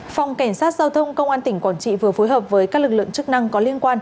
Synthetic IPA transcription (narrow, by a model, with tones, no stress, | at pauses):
fa˨˩wŋ͡mkɛ˧˩jŋ̟saː˦˥t̚zaː˧wt̪ʰə˧wŋ͡mkə˧wŋ͡mʔaː˧nt̪ï˧˩ŋ̟kwaː˧˩nt͡ɕḭ˧˨vɨ˨˩əfo˨˦jɦəː˨˩p̚vəː˨˦jkaː˦˥k̚lɨ˨˩k̚lɨ̰˧˨ə˨ŋt͡ɕɨ˦˥k̚na˧ŋkɔ˨˦li˧ənkwaː˧n